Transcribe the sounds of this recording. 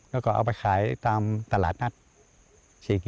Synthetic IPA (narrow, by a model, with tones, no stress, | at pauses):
lɛː˧˩kɔː˧˩ʔa̰˧wpa˧jxʰaː˨˩˦jt̪aː˧mt̪a˧laː˨˩t̪̚na˧˥˩t̚ | si˧˩k